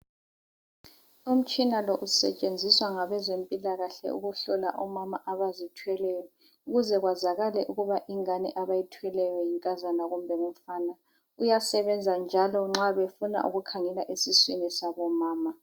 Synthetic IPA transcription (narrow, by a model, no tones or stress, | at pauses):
um̩t͡ʃʼinalɔʔusɛ̰t͡ʃʼend͡zʱiswaŋaβɛzempʼilaɣaɬɛ̰ʔṵɣuɬɔla̰ʔɔmamaʔaβazitʰwɛlɛjɔ | uɣuzɛɣwazaɣalɛʔuɣuβaʔiŋanḭʔaβajitʰwɛlɛjɔjiŋkʼazanaɣumbʱɛɣum̩faːna | ujasɛβɛnd͡zʱand͡ʒʱalɔŋ͡ǁaβefuna̰ʔṵɣukʰaŋɛlaʔesiswinisaβɔmaːma